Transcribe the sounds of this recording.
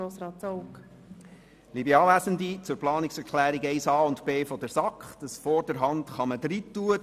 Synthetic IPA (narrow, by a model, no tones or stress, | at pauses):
oːsɾɑːtt͡sowk | libɛɑːlæsəndit͡sʊɾplɑːniksɛɾkʰlæːɾiɡɛɪsɑːʊntb̥eːfɔdəɾsɑkχd̥əsfɔɾdəɾɦɑntχɑməd̥ɾitːuə